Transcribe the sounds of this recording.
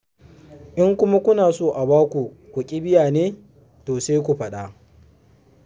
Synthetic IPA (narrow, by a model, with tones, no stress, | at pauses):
ʔɪ˦ŋkʷʊ˦ma˦kʷʊ˦naː˨soː˦ʔa˨baː˦kʷu˨ | kʷu˨kʲʼɪ˦bɪ˦jaː˨neː˦ | toː˨se˦jkʷu˨ɸɐ˨ɗa˦